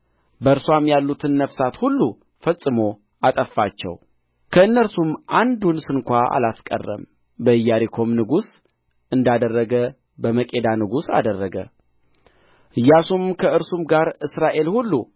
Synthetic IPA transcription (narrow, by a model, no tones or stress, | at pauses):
bəɨɾswamjalːut̪ʰɨnːəfsat̪hulːu | fəsʼːɨmo̞ | at̪ʼəfːat͡ʃːɛ̰w | kʰəɨnːəɾsumʔand̪unsɨnkʷaʔa̰laskʼə̰rːə̰m | bəɨjːaɾikʰo̞mnɨɡus | ʔɨnd̪ad̪ərːəɡə | bəməkʼe̞d̪anɨɡusa̰d̪ərːəɡə̰ | ʔɨjːasumkʰəɨɾsumɡaɾɨsɾaʔe̞lhulːu